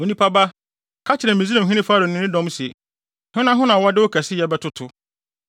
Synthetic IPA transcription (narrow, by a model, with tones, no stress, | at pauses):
o˨nĩ˦pʰa˦ba˦ | kʰa˦t͡ɕʰɪ˨ɾɛ̃˨mĩ˨zi˦nã˨m˨ɦĩ˦nɪ̃˦faː˦ɾo˨n˨ɪ̃˦nɪ̃˦dɔ̃˦m˦si˨ḛ˨ | hʊ̃˦nã˦ɦʊ̃˦nã˨wa˦dɪ˦ʊ˦kʰɛ˨sɪ˦jɛ˨bɛ˦tʰʊ˦tʰʊ˨